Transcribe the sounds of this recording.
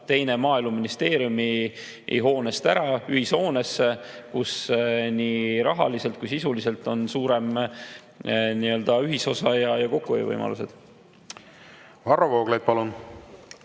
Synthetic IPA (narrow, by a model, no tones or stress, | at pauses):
t̪e̞jne̞mɑːilmuminist̪e̞ːɾjumi | ḛɦo̞ːne̞st̪æɾɑyhiso̞ːnes | kusniɾɑɦɑ̰lise̞lt̪̚kujsisulise̞lt̪ːˑo̞nsuːɾe̞m | niːø̞ld̪̥ɑyɦiso̞sɑjɑjɑko̞kːuejḛvɤ̰jmɑ̰lṵse̞̰d̪̥ | vɑrːovoːɡ̥lejd̪̥̚pɑlun